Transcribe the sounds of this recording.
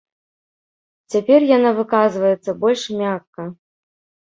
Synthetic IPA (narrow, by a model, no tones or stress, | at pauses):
t͡sʲapʲɛrjanavɨkazvɐjɛt̪sːɐbɔlʲʂmʲakːɐ